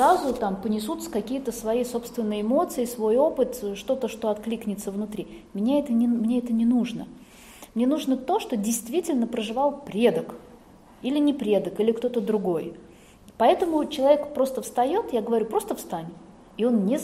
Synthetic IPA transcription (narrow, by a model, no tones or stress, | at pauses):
azʊt̪ampənʲɪs̬ut̪skɐkʲijət̪əsvɐjijso̞pst̪vʲɪnːəjɪmo̞t̪sɨɪsvo̞jo̞pɨt̪ʂt̪o̞t̪əʂt̪o̞ɐt̪klʲiknʲɪt̪səvnʊt̪ɾʲimnʲaɛt̪ənʲɪmnʲeɛt̪ənʲɪnuʐnə | mnʲenuʐnət̪o̞ʂt̪o̞dʲɪjst̪vʲitʲɪlʲnəpɾəʐɨvalˠpɾʲed̪ək | ilʲɪnʲɪpɾʲe̞d̪əkilʲɪkt̪o̞t̪əd̪ɾʊɡo̞j | pɐɛt̪əmʊt͡ɕɪlˠɐvʲekpɾo̞st̪əfst̪ɐjo̞t̪jaɡəvɐɾʲupɾo̞st̪əfst̪anʲɪ | ɪo̞nnʲe